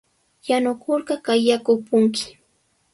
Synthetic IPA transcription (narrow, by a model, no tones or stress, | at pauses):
janʊkoɾɢɑkajakʊpʊŋkɪ̥